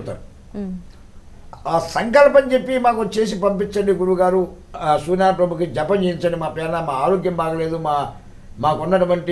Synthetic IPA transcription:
t̪a̰ːɾu | aːsɐŋkɐlpɐɲt͡ʃe̞pːimaːkut͡ʃe̞ːs̬ipɐmpit͡ʃːɐɳɖiɡuɽuʋɐɡaːɾusuːnaːpɾɐbʱukid͡ʒɐpːɐɲt͡ʃejiɲt͡ʃɐnɳɖimaːpɛːnɐmaːaːɾoːɡjɐmbaːkɐle̞ːd̪umaː | maːkunːɐʈuʋɐɳʈi

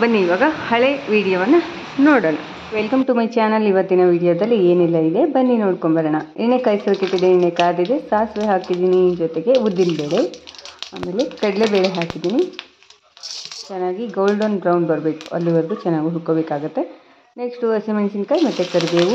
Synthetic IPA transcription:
bɐnːiːʋaːɡɐhɐɭeʋiːɽijoʋɐnːɐ | noːɽoːɳɐ̰ | ʋelkɐmʈumɐjt͡ʃaːnɐliʋɐt̪ːinɐʋiːɽijoːd̪ɐlːieːnilːɐid̪e̞bɐnːinoːɽkombɐɾɐɳɐiɳekɐjsɐɾkːet̪ːid̪eiɳekaːd̪id̪esaːsʋeɦaːkid̪iːnid͡ʒɔt̪eɡe̞ud̪ːilbeːɭeaːme̞ːle̞kɐɽlebeːɭeɦaːkid̪iːni | t͡ʃɛnːaːɡiɡoːlɖonbɾɐwɳɖbɐɾbe̞ːku̥ɐ̰lːiʋɐɾd̪ut͡ʃɛnːaːɡiɦukːobeːkaːɡut̪ːe | neksʈuɐsimensinkɐːjmɐt̪ːek̪ɐɾibeːʋu

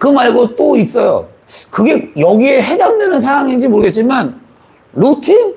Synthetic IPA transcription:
kɯmaɭɡot͈ois͈ʌjo̰ | kɯɡe̞jʌɡie̞ɦe̞daŋdwenɯnsʰawaŋind͡ʑimoɭɯɡe̞t̚t͡ɕ͈iman | ɾutʰin

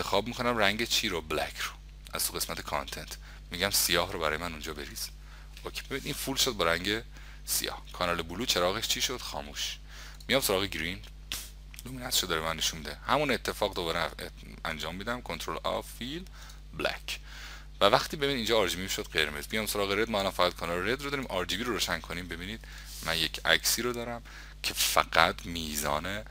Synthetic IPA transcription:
enʰexɒːb̚miːkʰonæmɾæŋɟet͡ʃʰiːɾoblæ̰kʰɾo̥ | ʔæ̰z̥t̪ʰuɣe̞smæt̪ʰekʰɑ̰nt̪ʰe̞nt̪ʰ | miɟæmsijɒːɦɾobæɾɒ̰ːjemænund͡ʒɒːbe̞ɾiːz̥ | ʔokʰe̥be̞bid̪infuːlʃod̪̚bɒɾæŋɟe̞ | sijɒ̰ːhkʰɒːnɒːlebuluːt͡ʃʰe̞ɾɒːɣeʃt͡ʃʰiʃod̪̥xɒ̰ːmuːʃ | mijɒːmsoɾɒːɣeɡɾin | lominæt̪eʃod̪ɒːɾemænːe̞ʃunmid̪ehæmunet̪ʰːe̞fɒːɣd̪obɒːɾe | æ̰nd͡ʒɒːmːiːd̪æmkʰont̪ʰɾolʔɒ̰fil | blæ̰kʰ | vævæχt̪ʰiːbe̞binid̪iːnd͡ʒɒːɾd͡ʒiːbiːmiʃod̪̥̚ɢeɾmezmijɒmsoɾɒːɣeɾed̪̚mɒælɒnfæɣæd̪̚kʰɒːnɒːlɾed̪ɾod̪ɒːɾimʔɒɾd͡ʒiːbiːɾoɾoːʃæŋkʰoniːmbe̞biːniːd̪̥̚ | mænjecʰæ̰ksiːɾod̪ɒːɾæm | cʰe̞fæ̰ɡæt̪miːzɒ̰ːne

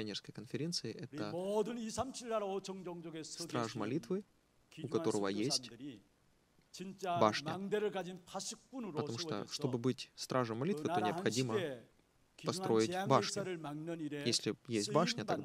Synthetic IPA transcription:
pʲɪɐnʲerskəjkənfʲɪɾʲe̞nt̪sɨɪʔɛt̪əod̪ɯnisʰamt͡ɕʰilːaɾot͡ɕʰʌŋd͡ʑʌŋd͡ʑoɡesst̪ɾʔaʐmɐlʲit̪vɨ | ukɐt̪o̞ɾəvəjesʲtʲ | t͡ɕint͡ɕabaʂnɐ̰ŋd̪eɾɯɭɡad͡ʑinpʰasʰik̚p͈unɾpət̪ɐmuʂt̪o̰ʂt̪o̞bɨbɨtʲst̪ɾʔaʐəmːɐlʲitɨo̞nʲɪɐpxɐdʲimə | pɐsɾʔo̞jɪtʲbaʂnʲɐɾɯmaŋnɯniɾjesʲlʲɪjesʲt̚ʲbaʂnʲət̪ɐɡd̪

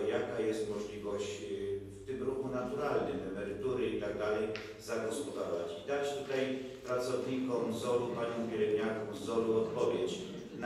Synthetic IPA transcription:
jakajɛst̪mɔʐlʲivɔɕt͡ɕft̪ɘmɾuxunat̪uɾalnɪmɛmɛɾɘt̪uɾɘit̪aɡ̚d̪alɛj | zaɡɔspɔd̪aɾɔvat͡ɕid̪at͡ɕt̪ut̪aj | pɾat̪sɔvɲikɔmzɔlupaɲɔ̃w̃ɡʲɛɾɛbʲɲakɔ̃wzɔluɔt̪pɔvʲjet͡ɕ | n

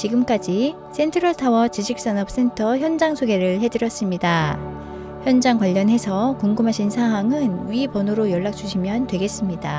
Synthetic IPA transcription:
t͡ɕiɡɯmk͈ad͡ʑi | s͈ʰe̞ntʰɯɾʌɭtʰawʌt͡ɕiɕʰik̚s͈ʌnʌp̚s͈e̞ntʰʌçjʌnd͡ʑaŋsʰoɡe̞ɾɯɭɦe̞dɯɾjʌs͈ɯmɲida | çjʌnd͡ʑaŋkwaʎːʌnɦe̞sʰʌkuŋɡɯmɦaɕʰinsʰaŋɦwaŋɯnɥipʌnoɾojʌɭːak̚t͡ɕ͈uɕʰimjʌntwe̞ɡe̞s͈ɯmɲida

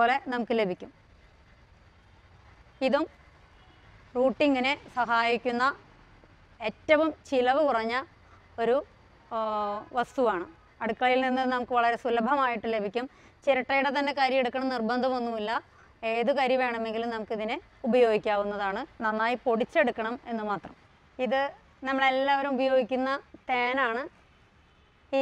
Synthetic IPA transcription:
oːle̞nɐmukːɨle̞bʱikʲːum | iðum | ruːʈːiŋɡɐne̞sɐɦaːjikʲːunːɐ | e̞tːɐʋumt͡ɕilɐʋɨkurɐɲːɐ | o̞ɾu | ʋɐst̪uʋaːɳɨ | ɐɽukːɐɭilninːɨnɐmukːɨʋɐɭɐɾe̞sulɐbʱɐmaːjiʈːɨle̞bʱikʲːum | t͡ɕeɾɐʈːɐjuɽet̪ɐnːe̞kaːɾjɐmeɽukːɐɳɐmnirbɐnd̪ʱɐmonːumilːɐ | eːðukɐɾjɐʋeːɳɐme̞ŋɡilumnɐmukːiðinɨ | ubɐjo̞ːɡikʲːaːʋunːɐðaːɳɨnɐnːaːjipo̞ɽit͡ɕːe̞ɽukːɐɳɐme̞nːɨmaːt̪rɐm | iðɨ | nɐmːɐɭe̞lːaːʋɐɾumubɐjo̞ːɡikʲːunːɐt̪eːnaːɳɨ

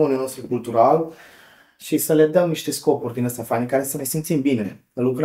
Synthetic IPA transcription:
onianost̪ɾukult̪uɾal | ʃisəle̞d̪əmniʃt̪e̞sko̞purʲd̪inəst̪afanikaɾe̞səne̞jsimt̪simbine̞əlukɾ

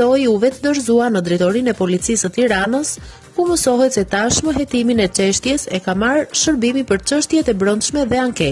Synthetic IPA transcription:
ɔjuvɛt̪əd̪əɾzuanəd̪ɾit̪ɔɾinɛpɔlit͡sisət̪iɾanəs | kuməsɔɦɛt̪sɛt̪aʃməɦɛt̪iminɛt͡ʃɛʃt̪jɛsɛkamaɾʃəɾbimipəɾt͡ʃəʃt̪jɛt̪ɛbɾɔnd̪ʃmɛðɛaŋkɛ

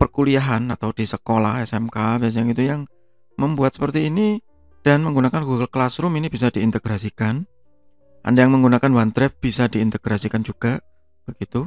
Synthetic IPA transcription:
pərkuliaɦanat̪awd̥isəkolahɛsɛmkabɛs̬jaŋit̪ujaŋ | məmbuat̪̚sə̥pərt̪iːni | d̥anməŋɡunakanɡuɡəlklasɾʊminib̥is̬ad̥iːnt̪əɡ̥ɾasikan | ʔa̰ndajaŋməŋɡunakanwant̪ɾɛf̚b̥isadiːnt̪əɡ̥ɾasikand͡ʒuɡ̥aʔ | b̥əɡ̥it̪u

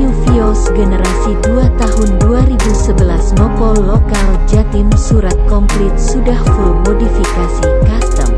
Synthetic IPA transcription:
ufiosɡənəɾasiduat̪aɦʊnduaɾibusəbəlasmɔkɔlokald͡ʒat̪ɪmsuɾat̪̚kɔŋkɾɪt̪̚sudahfʊrmodifikasikast̪ə̰m

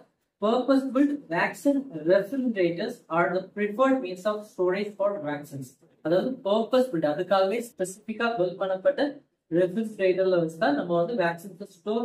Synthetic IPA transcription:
pɐːɾpɐsbɪlɖʋæːksinɾɛfɾɐɾɛɳɖɾeːʈɐɾsaːɾd̪ɐpɾɪfɐɪɖmiːnsɔːfsʈoːɾispɔːɾʈʋaːksins | ɐðaːʋɐðɯpəːɾpɐsbɪɭɖɐðɐkːaːɣɐespɛsɪfɪkːaːʋɛlpɐɳːɐpːɐʈːɐ | ɾɛfɾɛnsɾeːʈɐɾlɐʋɐɲt͡ʃɯt̪ãːnɐmːɐʋɐnd̪ɯʋæːksinɐsʈːoː

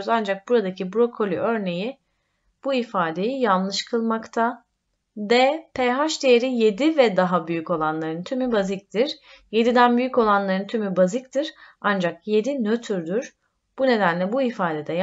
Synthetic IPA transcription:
zand͡ʒak̚buɾad̪acʰibuɾo̞kʰo̞lʲy̰ʔø̞ɾne̞ji | b̥uifaːd̪e̞jijanˠlˠɯʃkʰɯlˠmakt̪ʰa | d̪ɛpʰejɦaʃd̪ejeɾije̞d̪ivɛd̪aɦabyjyco̞lˠanlˠaɾɯnt̪ʰymybazic̚t̪ʰiɾ̥ | je̞d̪id̪ænbyjycko̞lˠanlˠaɾɯnt̪ʰymybazic̚t̪ʰiɾand͡ʒak̚je̞d̪inøt̪ʰyɾd̪yɾ̥ | b̥une̞d̪ænlʲɛbuifaːd̪e̞d̪ɛj

